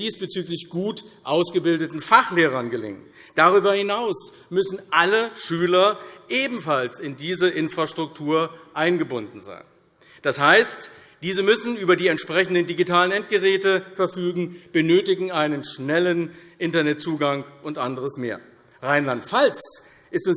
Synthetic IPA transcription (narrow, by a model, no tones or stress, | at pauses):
d̥iːsb̥ət͡syːklɪçɡ̥uːtʔaʊsɡ̥əbɪldətn̩faχleːʁ̞ɐnɡəlɪ̰ŋən | d̥aʁyːbɐhɪnaʊs | mʏsn̩ʔaləʃyːlɐʔeːbm̩falsɪndiːzəʔɪnfʁ̥aʃtʁ̥ʊk̚tʰuːɐʔaɪnɡəbʊndn̩za̰ɪn | d̥ashaɪst | d̥iːzəmʏsn̩yːbɐdiːɛntʃpʁ̥ɛçn̩dən̩diɡitaːlənɛnt̚ɡ̥əʁɛːtəfɛɐfyːɡŋ̩b̥ənøːtɪɡŋ̩aɪnənʃnɛlənʔɪntɐnɛt̚t͡suːɡaŋʔʊntʔandəʁəsmḛːɐ | ʁaɪnlantfalt͡s | ʔɪstʊn